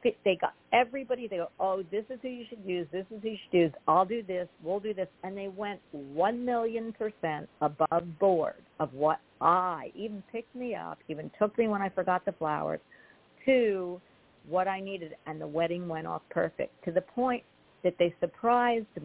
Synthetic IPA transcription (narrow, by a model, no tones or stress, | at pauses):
fiðeɪɡɑ̰ɾɛvɹibɑɾiðeɪɡoʊʔoʊðɪsɨz̥hʉjɨʃɨd̚jʉzðɪsɨz̥hʉjɨʃɨdjʉzaɪlˠdɨðɪswilˠdɨðɪsɨ̃nðeɪwɛ̃nʔwʌ̃nmɪlˠjɨ̃npʰə˞sɛ̃ntəbʌvbɔɹɾʌvwʌɾ | ʔaɪʔiṽn̩pʰɪk̚t̚miʌ̰pivɨ̃ntʰʊkmiwə̃ñaɪfə˞ɡɑt̪̚ðəflaʊə̰˞z̥ | tʰʉ | wʌɾaɪniɾɨɾɨ̃nðəwɛɾɪ̃ŋwɛ̃ɾ̃ɔ̰fpʰɜ̰˞fɪ̰k̚tʰɨðɨpʰɔ̃ɪ̃n | ðɨt̪̚ðeɪsə˞pʰɹ̥aɪzd